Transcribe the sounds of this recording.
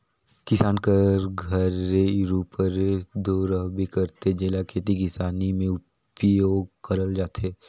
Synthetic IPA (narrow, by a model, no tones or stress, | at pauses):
kɪsaːnkəɾɡʱəɾeɾuːpəɾed̪oːɾəɦbʱikəɾt̪ed͡ʒeːlakʰeːt̪ikɪsaːnimẽʊ | pjoːɡkəɾəld͡ʒaːt̪eː